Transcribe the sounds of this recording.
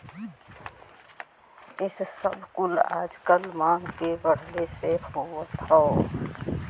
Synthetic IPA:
ɪssəbkʊla̰ːd͡ʒkəlmãːŋɡkebəɽ̤lesepoːt̪ʰɔ

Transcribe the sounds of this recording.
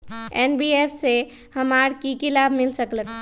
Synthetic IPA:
ɛːnbiepʰse | həmaɾkikɪlaːbmɪlsəklək

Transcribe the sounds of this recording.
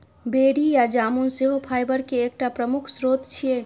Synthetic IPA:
beɽijad͡ʒaːmunseɦopʰaɪbəɾkeːk̚ʈapɾəmukʰsɾot̪t͡ʃʰije

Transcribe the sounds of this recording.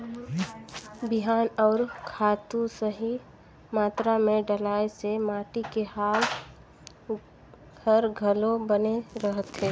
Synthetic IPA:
bɪɦaːnɔːɾkʰaːt̪ũsəɦi | maːt̪ɾamẽɖəlaːjsemaːʈikehaːl | əɾɡʱəlõbəneɾəɦət̪ɦɛː

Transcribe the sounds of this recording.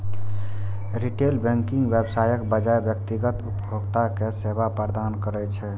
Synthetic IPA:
ɾiʈelbɛ̃ŋkiŋɡbebsajəkbəd͡ʒaebjəkt̪iɡət̪upbʱoɡt̪akesebʱapəɾd̪ankəɾɛt͡ʃʰɛ

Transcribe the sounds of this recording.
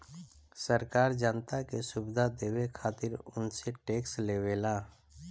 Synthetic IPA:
səɾkaːɾd͡ʒaːnt̪akesʊbɪd̪ʱad̪eːwekʰaːt̪ɪɾʊ̰nseʈeːksleːʋeːlaː

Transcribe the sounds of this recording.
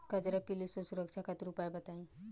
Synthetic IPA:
kɐd͡ʒɐɾapilisosuɾəkʃʰakɐt̪ɾupaebɐt̪aĩ

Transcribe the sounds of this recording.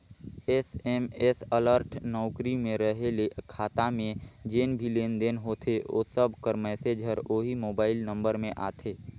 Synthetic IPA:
ɛsɛmeːsələɾʈʰnɔːkɾimẽɾəɦelekʰaːt̪amẽd͡ʒeːnbʱileːnd̪eːnɦoːt̪ʰeo̰ːsəbʱkəɾmɛːsed͡ʒʱəɾoːɦimoːbaːɪlnə̃mbəɾmẽʔa̰ːt̪ʰeː

